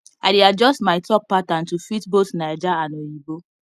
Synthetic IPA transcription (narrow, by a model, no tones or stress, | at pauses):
aɪdiad͡ʒɔstmaɪtɔk̚patan̩tufitbotnaed͡ʒaanojibo